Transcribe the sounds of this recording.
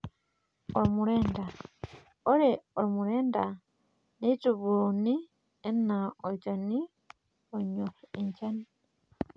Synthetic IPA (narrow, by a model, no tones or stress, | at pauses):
oɾimuɾeːnda | oɾeoɾimuɾeːnda | netuβuuni | enaoɟani | oɲoxeɲɟani